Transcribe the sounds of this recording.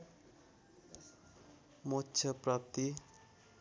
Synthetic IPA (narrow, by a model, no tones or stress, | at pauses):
motːt͡ʃʰʌprap̚t̪i